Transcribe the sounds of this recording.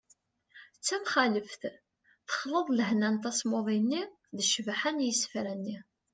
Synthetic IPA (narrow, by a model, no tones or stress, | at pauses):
t͡sːæmχæləfθ | θə̥χləðˤləhnænt̪æsmoðˤinːi | ðəʃvħænjəsfɾænːi